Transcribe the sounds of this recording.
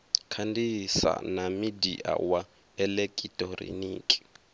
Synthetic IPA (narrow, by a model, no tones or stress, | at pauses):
kʰandisa̰namidiʔa̰wa | ɛlɛkʼitʼɔɾḭniːkʼi̥